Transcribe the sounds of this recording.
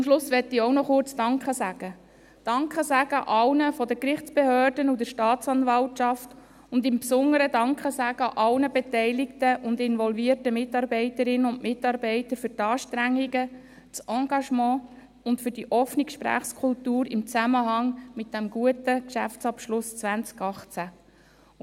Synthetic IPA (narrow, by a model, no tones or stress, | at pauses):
ʊmʃlʊsʋɛtːioʊnɔχʊɾt͡sd̥ɑŋkχəsæɡ̥ə | d̥ɑŋkχəsæɡ̥əʔɑlnəfɔdəkɾɪχt͡sb̥ehøːrdənudəɾʃtɑːtt͡sɑnvɑltʃɑft | ʊndɪmpsʊnːəɾədɑŋkχəsæɡ̥əʔɑlnəbɛtɛɪlɪktəʔʊndɪnvɔlviərtəmɪtɑɾbɛɪtəɾɪnənʊnmɪtɑɾbɛɪtəɾfʏɾtɑːʃtɾæŋːiɡə | t͡sʔɑːɡɑʃmɑ̃ː | ʊntfʏɾdiʔɔfnikʃpɾæ̰ːχskʰʊltuːɾɪmt͡sæməɦɑŋmɪt̚d̥ɛmɡ̥uətəkʃæ̰ft͡sɑpʃlʊst͡sʋænt͡skɑχt͡sæ